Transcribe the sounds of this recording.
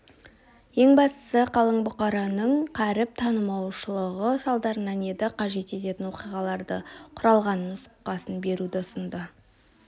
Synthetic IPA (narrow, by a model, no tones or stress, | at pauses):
je̞ŋbɑst̪ə̥səqʰɑlˠəɴbʊqɑɾɑnəɴqʰæɾɪp̚t̪ʰɑnəmɑwʃəlˠəʁəsɑlˠd̪ɑɾənæne̞d̪ɪqʰɑʒe̞t̪e̞t̪e̞t̪ɪnwo̞qijʁɑlˠɑɾd̪əqʰʊɾɑlˠʁɑnənsʊ̥q̚qːɑsənbe̞ɾud̪ɪʊsənd̪ə